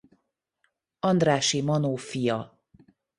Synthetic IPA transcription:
ɒnd̪raːʃimɒnoːfijɒ

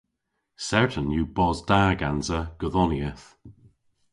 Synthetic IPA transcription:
sɛɹtənjubɔzdaːɡanzəɡ̥əðɔniəθ

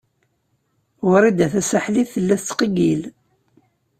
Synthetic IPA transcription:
wəɾˤid̪æθæsaħliθəlːæθt͡sːqiɡil

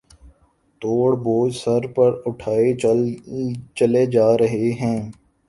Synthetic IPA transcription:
t̪oːɽboːd͡ʒsɐɾpɐɾʊʈʰaːe | t͡ʃɐled͡ʒaːɾɐɦeɦɛ̃ː

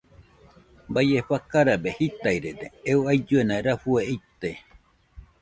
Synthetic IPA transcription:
bajeɸakaɾabehit̪aiɾeɾeeuajd͡ʒuenãeɾaɸueit̪e

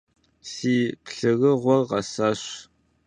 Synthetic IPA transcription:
siːpɬɨɣəʁʷɔrʁɐsaːɕ

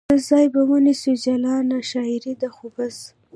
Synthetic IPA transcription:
əzɑjbawənisud͡ʒalɑnaʃɑɪɾid̪axubaz

